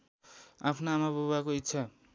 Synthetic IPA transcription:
apʰnaːmabʱowakoitːsʰa

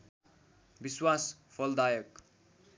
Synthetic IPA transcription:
biswaspʰʌld̪ajʌk

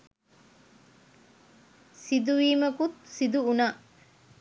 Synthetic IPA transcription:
sid̪uʋiːmɐkut̪̚sid̪uuna

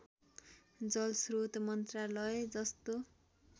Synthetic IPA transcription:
d͡zʌlsrot̪mʌnt̪ralʌed͡zʌst̪o

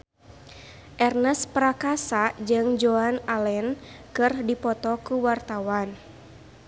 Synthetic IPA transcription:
ʔɛrnəspəɾakasad͡ʒɨŋd͡ʒoanalɛnkɨrdipɔt̪ɔkuwart̪awan

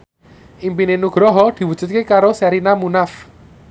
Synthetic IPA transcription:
ʔimpinenuɡ̥ɾɔɦɔd̪̥i̤wud̥ʒ̥ṳt̪̚kekaɾosɛɾinamunaf

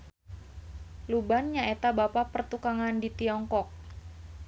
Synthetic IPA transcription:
lubanɲaet̪abapapərt̪ukaŋandit̪iɔŋkɔk̚

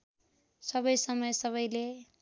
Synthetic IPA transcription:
sʌbʌjsʌmʌjsʌβʌjle

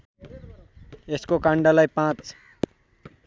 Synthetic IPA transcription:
eskokãɳɖalajpãt͡s

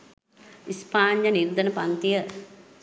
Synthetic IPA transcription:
ispaːnjəniɾd̪ənəpant̪ijə

